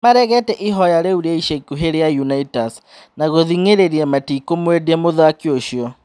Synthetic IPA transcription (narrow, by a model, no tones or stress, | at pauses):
maɾɛɣɛtɛʔiɦɔjaɾeuɾaiʃekuɦeɾejajunaitas | naɣoðiŋeɾeɾiɛmatikomwedɛmoðakeoʃjɔ